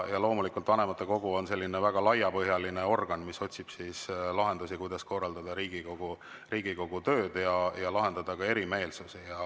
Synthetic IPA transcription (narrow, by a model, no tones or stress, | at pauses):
jɑlo̞ːmulikːˑult̪vɑne̞mɑt̪ːˑe̞ko̞ɡ̥uo̞nse̞lːinevæɡ̥ɑlɑjɑpɤɦjɑlineo̞rɡ̥ɑnmiso̞t̪ʲsib̥sislɑɦe̞nd̪usikujd̪̥ɑsko̞rːɑld̪ɑd̪̥ɑɾiːɡ̥iko̞ɡ̥u | riːɡ̥iko̞ɡ̥ut̪ø̞ːd̪̥jɑjɑlɑɦe̞nd̪ɑd̪̥ɑkɑe̞ɾime̞ːlsusijɑ